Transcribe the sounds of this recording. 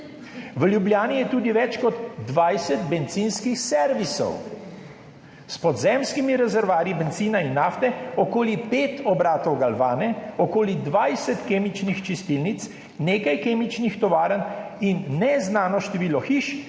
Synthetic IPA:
ʋəljublʲjaːnijɛt̪uːd̪iʋɛt͡ʃkɔd̪ːʋajsɛt̪bɛnt̪zinskixsɛɾʋisɔ̰w | spɔd̪zɛmskimiɾɛzɛɾʋaːɾibɛnt̪ziːnainːaːft̪ɛɔkoːlipeːt̪ʰɔbɾaːt̪ɔwɡalʋaːnɛɔkoːlid̪ʋajsɛt̪keːmit͡ʃnixt͡ʃist̪ilnit̪s | neːkajkeːmit͡ʃnixt̪ɔʋaːɾəninːɛznaːnɔʃt̪ɛʋiːlɔxiʃ

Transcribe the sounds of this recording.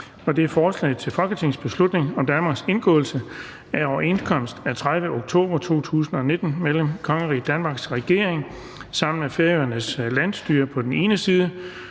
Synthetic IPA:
ɒ̽d̥e̝æɐfɒːslɛ̰ɪð̩ˠt͡sʰe̝lfɒ̽ɡ̥ət͡sʰe̝ŋsb̥e̝slud̥ne̝ŋɒ̽md̥ænmɑ̈ːɡ̥se̝nɡ̥ɔ̰̽ːl̩sə | æɒʊɐe̝nskʰɒ̽m̰sd̥æɐt͡sʰʁaðˠʋəoɡ̥̚t͡sʰo̝̰ːb̥ɐt͡sʰo̝̰ːt͡sʰṵːsn̩ɒ̽ne̝d̥n̩meləmkʰɒ̽ŋəʁḭːd̥ænmɑ̈ːɡ̥sʁɛɡ̥e̝ɐ̰eŋ | sɑ̈m̰n̩mefeɐøɐnəslæn̰sd̥yːɐpʰɒ̽d̥ene̝ːnəsiːð̞ˠə

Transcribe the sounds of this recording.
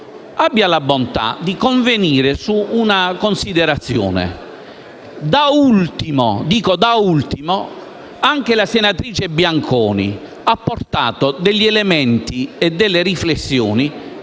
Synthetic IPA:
abːjalabont̪a̰d̪ikoɱveniːɾesuːnakonsid̪ɛɾat̪sːjɔ̰ːnḛ | d̪ault̪imo̰d̪iːkod̪ault̪imo | aŋk̟elasenat̪ɾiːt͡ʃebjaŋkʰɔːnḭ | apːort̪a̰ːt̪od̪ɛʎːiɛlemɛnt̪iɛd̪ːɛlːeɾiflesːjɔːni

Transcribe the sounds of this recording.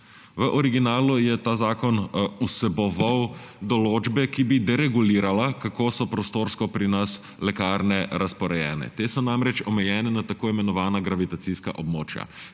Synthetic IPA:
ʋəʔɔɾiɡinaːlujɛt̪aːzaːkɔnusɛbɔʋawd̪ɔloːd͡ʒbɛkibid̪ɛɾɛɡuliːɾalakakoːsɔpɾɔst̪oːɾskɔpɾinas | lɛkaːɾnɛɾaspɔɾɛjɛ̰ːnɛ̰t̪esɔnamɾɛt͡ʃɔmɛjɛːnɛnat̪akoːimɛnɔʋaːnaɡɾaʋit̪at̪siska̰ʔɔb̚moːt͡ʃja̰

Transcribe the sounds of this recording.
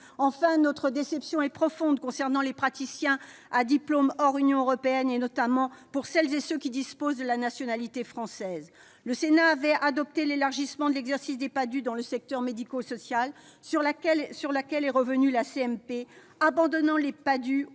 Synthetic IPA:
ɑ̃fɛ̃nɔt̪χəd̪esɛpsjɔ̃ɛpχɔfɔ̃d̪kɔ̃sɛʁnɑ̃lepχat̪isjɛ̃ad̪iplomɔʁynjɔ̃øʁɔpeɛnenɔt̪amɑ̃puʁsɛlzesøkʲid̪ispozd̪əlanasjɔnalit̪efχɑ̃sɛz | ləsenaːvɛad̪ɔp̚t̪elelaʁʒismɑ̃d̪əlɛɡzɛʁsisd̪epad̪yd̪ɑ̃ləsɛk̚t̪œʁmed̪ikosɔsjal | ʁlakɛlsyʁlakʲɛlɛʁəvənylaseɛmpe | abɑ̃d̪ɔnɑ̃lepad̪y

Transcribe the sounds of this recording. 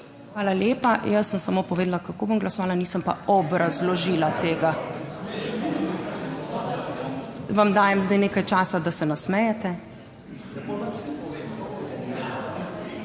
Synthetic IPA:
xʋaːlaljeːpajɐsːəmsɐmoːpɔʋeːd̪lakakoːbomɡlɐsɔʋaːlaniːsəmpa̰ɔbɾazlɔʒiːlat̪eːɡa | ʋamd̪aːjɛmzd̪ajneːkajt͡ʃaːsad̪asɛnasmɛjɛt̪ɛ

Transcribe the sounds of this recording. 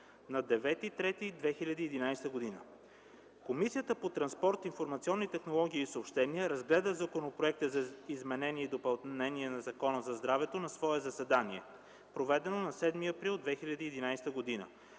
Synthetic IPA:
nɐd̪ɛvɛt̪it̪ɾɛt̪id̪vɛxilʲɐd̪iːd̪inajst̪əɡod̪inə̰ | komisiət̪əpot̪ɾɐnspɔɾt̪infoɾmɐt̪siɔnːit̪ɛxnolˠɔɡ̟ʲiːsopʃt̪ɛniəɾɐzɡlɛd̪əzɐkonopɾoɛk̚t̪əzɐizmɛnɛniɛid̪opɐlˠnɛniɛnɐzɐkɔnəzɐzd̪ɾavɛt̪onɐsvɔɛzɐsɛd̪aniɛ̰ | pɾovɛd̪ɛnonɐsɛd̪miɐpɾilˠd̪vɛxilʲɐd̪iːd̪inajst̪əɡod̪inə̰

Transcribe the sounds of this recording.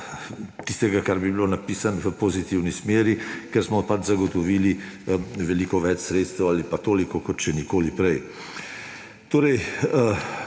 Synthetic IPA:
t̪ist̪ɛɡakaɾbibilonapiːsanʋəpɔzit̪iwnismeːɾikɛɾsmɔpad͡ʒzaɡɔt̪ɔʋiːli | ʋɛlikɔʋɛt͡ʃsɾeːt̪st̪ɛwalipat̪oːlikɔkɔt̪ʃɛnikoːlipɾɛj | t̪oːɾɛj

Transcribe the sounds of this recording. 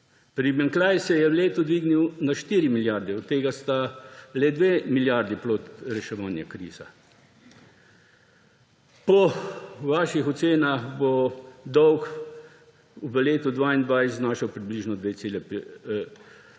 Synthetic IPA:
pɾimɛŋklajsɛjɛwleːt̪ud̪ʋiːɡniwnaʃt̪iːɾimiljaɾd̪ɛɔt̪ːeːɡast̪alɛd̪ʋeːmiljaɾd̪iplot̪ɾɛʃɛʋaːnjakɾḭːz̥a̰ | pɔʋaːʃixɔt̪seːnaxbɔd̪ɔwk | uʋəleːt̪ud̪ʋaind̪ʋaːjzznaːʃɐwpɾibliʒnɔd̪ʋet̪seːlɛp

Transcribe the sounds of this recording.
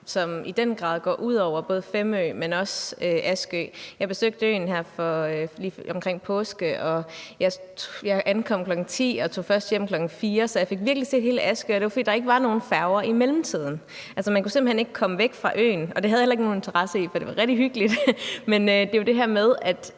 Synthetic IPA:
sɒ̽mid̥enɡ̥ʁɑ̰̈ːðˠɡ̥ɒ̰ːʔuð̰ˠɒʊ̰ɐb̥ɔ̽ːð̞ˠfemø̰ːmenɒ̽søʔæsɡ̥ø̰ːjɑ̈ɪb̥e̝søɡ̥̚d̥əø̰ːnɦæɐ̰fɒ̽øliːɒ̽mkʰʁeŋ̰pʰɔsɡ̥əʔɒ̽jɑ̈ɪjɑ̈ɪʔænkʰɒ̽m̰kʰlɒ̽ɡ̥n̩t͡sʰḭːɒ̽t͡sʰo̝̰ːfɶɐsd̥jem̰kʰlɒ̽ɡ̥n̩fiːɐsɒ̽jɑ̈ɪfe̝ɡ̥ʋiɐɡ̥lise̝̰ːd̥he̝ːləʔæsɡ̥ø̰ːɒd̥e̝ʋɑfə̥d̥ḭːdɑ̈e̝ɡ̥əʋɑ̈no̝ːn̩fæʊɐʔimelm̩t͡sʰið̞̰ˠn̩ | ʔælsɐmænkuse̝mb̥̩hene̝ɡ̥əkʰɒ̽məʋeɡ̥fʁɑ̈ʔø̰ːnɒ̽d̥e̝hæðˠjelɐeɡno̝ːnent͡sʰɐʁɑ̈səḭfɒd̥e̝ʋɑ̈ʁɛɡ̥̚diɦyɡ̥əlid̥menød̥e̝jod̥e̝ɦæɐmeð̞ˠæd̥

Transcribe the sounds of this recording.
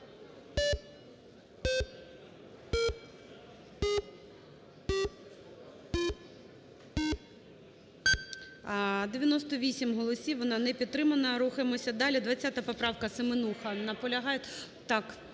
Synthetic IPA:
d̪eʋʲjɐnɔst̪ɔʋʲisʲimɦɔlˠɔsʲiwʋɔnɑnɛpʲid̪̚t̪ɾɪmɐnɐɾuxemɔsʲɐd̪ɑlʲid̪ʋɐt͡sʲːat̪ɐpɔpɾɑwkɐsemenuxɐnɐpɔlʲɐɦɑjɛ | t̪ɑk

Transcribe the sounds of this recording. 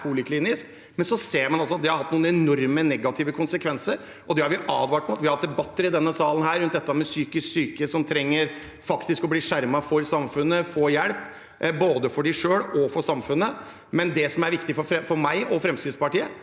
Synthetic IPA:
pʰuːlɪkʰliːnɪsk | mɛnsɔseːɾmɑnɔlsɔɑt̪̚d̪ɛhɑɾhɑt̪nuːnəɛnɔɾmənɛɡɑt̪ʰɪːʋəkʰʊnsəkʰʋɛnsəɾ | ʔɔd̪ɛhɑɾʋɪʔɑ̰ːd̪ʋɑːʈɔmɑt̪ʋɪhɑɑt̪̚d̪ɛbɑt̪ːəɾɪd̪ɛnːəsɑːlən̩hæːɾʉnt̪̚d̪ɛt̪ːəmɛsyːkɪsksyːkəsɔmt̪ʰɾɛŋːəɾ | fɑkt̪ɪskɔbliːʂæɾmɑfɔɾsɑmfʉnːəfoːjɛlp | boːd̪əfɔɖæɪʂøːɽɔfɔɾsɑmfʉnːə | mɛnd̪ɛsɔmæɾʋɪkt̪ɪfɔɛfɔɾmæɪʔɔfɾɛmskɾɪt̪spɑʈiːə

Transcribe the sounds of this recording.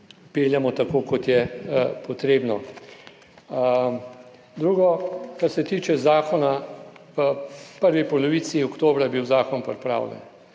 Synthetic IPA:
peːljamɔt̪akoːkɔt̪jɛpɔt̪ɾeːbnɔ | d̪ɾuːɡɔkaɾsɛt̪iːt͡ʃɛzaːkɔnaəpəɾʋipɔlɔʋiːsiɔkt̪oːbɾajɛbiwzaːkɔnpɾɛpɾa̰ːwlʲjɛ̰n

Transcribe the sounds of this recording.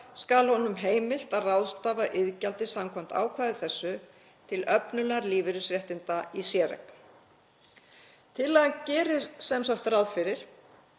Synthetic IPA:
skalhɔnʏmɦeːjmɪl̥t̪aðrawðst̪aːvaʔɪðcalt̪ɪsamkʰɔm̥t̪a̰ːwkʰvaːðɪθɛsːʏ | t̪ʰɪlœpnʏlɛaɾliːvɪɾʏsɾjɛht̪ɪnt̪aisjɛːɾɛ̰k | t̪ʰɪlːɛɣacɛːɾɪsɛmsɔxkt̪θɾawðfɪɾɪɾ̥

